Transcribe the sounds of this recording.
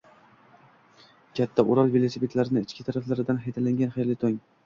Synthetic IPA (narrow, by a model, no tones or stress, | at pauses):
kʲʰat̪ʰːaʔʊɾalˠvelˠosepe̞t̪ʰlaɾɪnɪɪt͡ʃkʲɪt̪ʰaɾaflaɾɪd̪anɦajt̪ʰalaŋɡʲanχejlɪt̪ʰoŋ